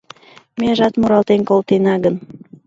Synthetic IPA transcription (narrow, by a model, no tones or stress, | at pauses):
meəʒɑt̪muɾɑlt̪enkolt̪enɑɣən